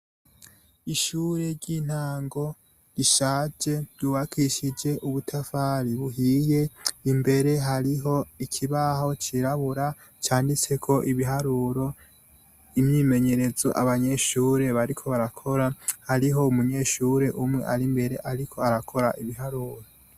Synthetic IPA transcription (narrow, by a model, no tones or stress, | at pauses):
iʃuːɾeɾɟin̥haːŋɡo̞ | ɾiʃaːd͡ʒe̞juβakʰiʃid͡ʒe̞ʔuβutʰafaːɾiβuɦiːje̞imbe̞ɾe̞ɦaɾiɦo̞ikʰiβaho̞t͡ʃiɾaβuɾa | t͡ʃaːndit͡se̞kʰo̞ʔiβiɦaɾuːɾo̞ | imɲiːme̞ɲe̞ɾe̞zoʔa̰βaɲe̞ːʃuːɾe̞βaɾikʰo̞βaɾakʰo̞ɾahaɾiɦo̞umuɲe̞ːʃuːɾe̞ʔumŋe̞̰ʔaɾimbe̞ɾe̞ʔaɾikʰo̞aɾakʰo̞ɾaʔiβiɦaɾuːɾo